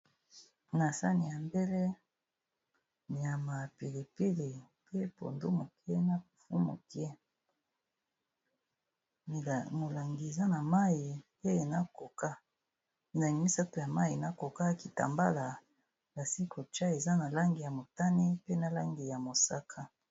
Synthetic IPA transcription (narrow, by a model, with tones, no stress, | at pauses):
na˨sa̰˦ni˨ja˨mbe˦le˦ | ni˨ja˨ma˨pi˨li˨pi˦li˨ | pe˦po̰˨ndo˦mo˨kɛ˦na˨pu˨fu˦mo̰˨kɛ˦˨ | mo˨la˨ŋɡi˨e˨za˦na˨ma˦i˨ | e˦e˨na˦ko˨ka˦˨ | za˨ŋɡi˨mi˦sa˦to˨ja˨ma˦ji˨na˨ko˨ka˦ki˨ta̰˨mba̰˦la˨ | ba˨si˦ko˨t͡ʃa˦e˨za˦na˨la˦ŋɡi˨ja˨mo˨ta˦ni˦pe˦na˨la˦ŋɡi˨ja˨mo˨sa˦kʰa˦